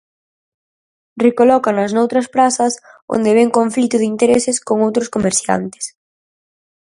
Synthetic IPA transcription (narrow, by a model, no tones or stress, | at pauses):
rekolɔkɐnɐznowt̪ɾɐspɾasɐs | o̰nd̪eβɛŋkoɱflit̪ʊðɪint̪eɾesɪskoŋowt̪ɾʊskomeɾsja̰nt̪ɪ̥s